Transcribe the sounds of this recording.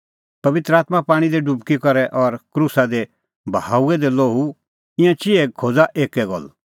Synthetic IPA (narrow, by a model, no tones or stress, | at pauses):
pɐʋɪt̪ɾəaːt̪mãpaːɽ̃id̪eɖubkikɔɾɛʔɔɾkɾusad̪e | bʱɦaːuɛd̪eloːu | ɪ̃jãt͡ʃɪɛkʰoːd͡zaʔeːkɛɡɔ̰l